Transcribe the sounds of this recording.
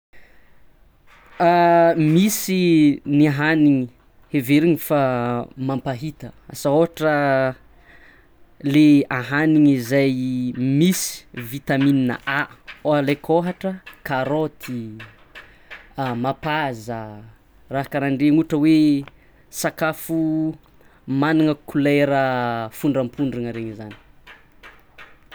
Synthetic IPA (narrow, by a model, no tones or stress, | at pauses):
amisiniaɦaniŋi | heveɾiŋifamampaɦit̪əa̰saoɦaʈ͡ʂə | leaɦaniŋizajmisi̥vit̪amininə̰ʔaoalekʰoɦaʈ͡ʂəkaɾot̪ʰi | mapazə | raɦakəɾaɳɖ͡ʐeŋuʈ͡ʂəwe | sakafu | maniŋəkuleɾəfuɳɖ͡ʐəmpʰuɳɖ͡ʐiŋəɾeɲizani̥